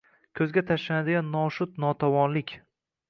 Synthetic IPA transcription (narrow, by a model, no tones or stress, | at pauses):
kʲʰɵzɡʲat̪ʰaʃlanad̪ɪɡʲanːɒʃʊt̪nɒt̪ʰawɒnlɪkʲ